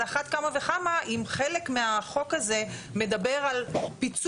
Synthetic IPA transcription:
aχat̪kamaveχamaʔimχele̞kmeaχo̞kaze̞me̞d̪abe̞ʁalpit͡s

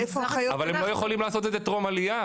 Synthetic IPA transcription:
efoχajavalemlojeχolimlaːso̞t̪̬ezet̪ʁo̞malija

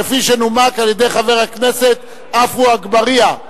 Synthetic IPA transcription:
efiʃenumakaljed̪e̞jχave̞ʁhakne̞se̞t̪ | afuaɡbaʁia

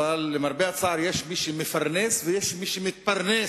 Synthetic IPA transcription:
alːɪmɑɾˤbɪʕat̪sˤɑʕɾˤjeːʃmiːʃimɪfɑɾˤnɛːswɪjeːʃmiʃimɪt̪̚pɑɾˤnɛː

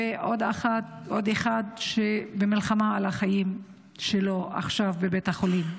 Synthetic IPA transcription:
eʔo̞d̪aχat̪ʔo̞d̪eχad̪ʃebemilχamaalaχajim | ʃelo̞a̰χʃavbebethaχolim

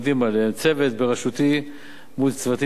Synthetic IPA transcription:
d̪imaleemt͡se̞vet̪beʁeʃut̪i | mult͡svat̪i

